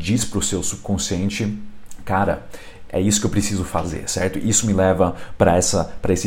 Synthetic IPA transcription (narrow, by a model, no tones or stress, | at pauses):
d͡ʒispɾʊsewsub̚kõsiẽnt͡ʃɪkaɾɐ̰ | ɛ̰isʊkɪewpɾesizʊfazḛɾsɛɾt̪ʊisʊmɪlɛvɐpɾɐɛsɐpɾɐesɪ